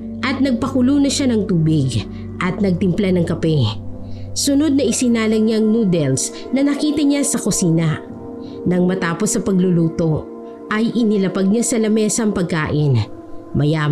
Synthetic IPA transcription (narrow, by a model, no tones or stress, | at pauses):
ʔɐt̪̚nɐɡ̚pɐkʊlunɐʃanɐŋt̪uːbɪɡ | ʔɐt̪̚nɐɡ̚t̪ɪmplanɐŋkɐpɛ | sʊno̞d̪̚nɐʔɪsɪnaːlɐŋɲaŋnuːd̪ɛls | nɐnɐkiːt̪ɐɲasɐkosiːnɐ | nɐŋmɐt̪aːpo̞sːɐpɐɡlʊluːt̪o̞ | ʔɐjʔɪnɪlɐpɐɡ̚ɲasɐlɐmɛːsɐŋpɐɡ̚kaːʔɪn | mɐja